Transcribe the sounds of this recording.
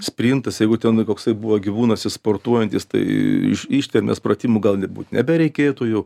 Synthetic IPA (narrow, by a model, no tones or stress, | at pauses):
sʲpʲɾʲint̪ɐsjɛɪɡʊt̪ʲɛnkoːksɐɪbuʋɐɡʲɪʋuːnɐsɪspoːrt̪uɔjɛnʲt̪ʲɪst̪ɐ̰ɪɪ̰ʃiʃʲt̪ʲɛɾʲmʲɛ̰sprɐt̪ʲimʊɡɐlˠnʲɛbṵːt̪nʲɛbʲɛɾʲɛɪkʲeːt̪ʊjɛʊ